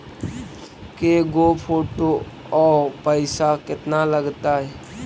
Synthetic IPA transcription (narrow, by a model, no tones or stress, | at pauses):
keɡoːpʰoːʈo | ɔːpəɪsakɪt̪naləɡt̪aɦɛː